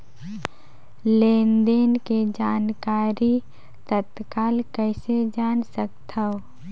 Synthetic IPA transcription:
leːnd̪eːnked͡ʒaːnkaːɾi | t̪ət̪kaːlkɛɪsed͡ʒaːnsəkt̪ʰao

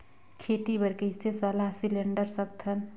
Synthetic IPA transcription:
kʰet̪ibəɾkəɪsesəlasileɳɖəɾsək̚t̪ʰən

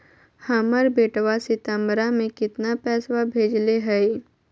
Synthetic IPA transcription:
haməɾbeːʈʋasɪt̪ə̃mɾamẽkɪt̪napɛːswabʱeːd͡ʒleɦɛe

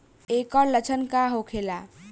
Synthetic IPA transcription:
ekɔɾlət͡ʃʰənkaɦokʰela

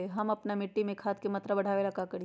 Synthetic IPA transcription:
eɦɐmɐpnamɪʈːimẽkʰaːt̪̚kemɐt̪ɾabɐɽ̤ʱaːʋelɐkakɐɾ

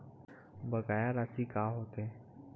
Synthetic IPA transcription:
bəɡaːjaɾasikaːɦoːt̪ɛ̃

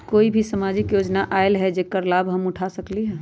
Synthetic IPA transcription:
koːibʱisəmaːd͡ʒɪkjoːd͡ʒnaʔaːɪlɦɛd͡ʒekəɾlaːbɦɐmʊʈʰasəkliɦɛː

